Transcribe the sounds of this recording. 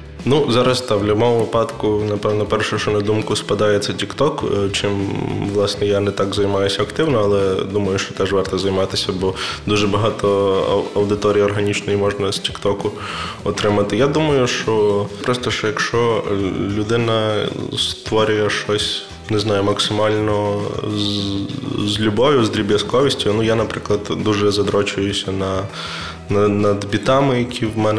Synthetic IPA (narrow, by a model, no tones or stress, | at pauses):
nuzɑɾɐst̪ɑʋlʲʊbɔmɔʋɪpɑd̪kʊnɐpɛwnɔpɛrʃʊʃt͡ʃʊnɛd̪umkʊspɐd̪ɑjet͡sʲːɐtʲikt̪ɔkt͡ʃɪmʋlˠɑsnɛjanɛt̪ɑɡzɐjmɑjʊsʲɐɐkt̪ɪwnɔɐlˠɛd̪umɐjʊʃt͡ʃɔ̥t̪ɛʒʋɑrt̪ɔzɐjmɑt̪ɪsʲɐbɔd̪uʒɛbɐɦɑt̪ɔ̰ɐwd̪ɪt̪ɔɾʲijiɔrɦɐnʲit͡ʃnɔjimɔʒnɐsʲtʲi̥kt̪ɔkʊ | ɔt̪ɾɪmɐt̪ɪjad̪umɐjʊʃt͡ʃɔpɾɔst̪ɔʃjɐkʃt͡ʃɔlʲʊd̪ɪnɐst̪ʋɔɾʲʊjɛʃt͡ʃɔsʲ | nɛznɑjʊmɐksɪmɑlʲnɔ | zʲlʲʊbɔʋʲjʊzd̪ɾʲibʲjʲɐskɔʋʲisʲtʲʊnujanɐpɾɪklˠɐd̪d̪uʒɛzɐd̪ɾɔt͡ʃʊjʊsʲɐnɐ | nɐnɐd̪bʲit̪ɑmɪjɐkʲʰiwmɛnɛ